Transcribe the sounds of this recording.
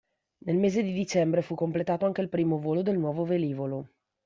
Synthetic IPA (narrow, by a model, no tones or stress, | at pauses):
nelmeːzed̪id̪it͡ʃɛmbɾefukːomplet̪aːt̪oaŋk̟eilpɾiːmovoːlod̪elnwɔːvoveliːvolo